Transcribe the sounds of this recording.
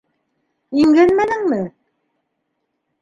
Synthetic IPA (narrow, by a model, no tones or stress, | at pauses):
iŋɡænmænɘŋmɘ